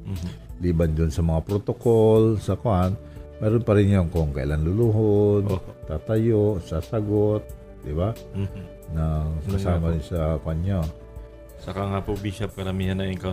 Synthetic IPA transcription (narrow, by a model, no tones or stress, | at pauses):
liband͡ʒʊnsɐmɐŋapɾot̪okolsakoʔan | mɛɾʊnpaɾɪŋɲoŋkoŋkaḭlanluluɦʊnt̪at̪ajoʔsasaɡot̪̚ | d̪iba | naŋkasamaɪnsakoanɲo | sakaŋapobiʃap̚kɐɾamihanaŋiŋka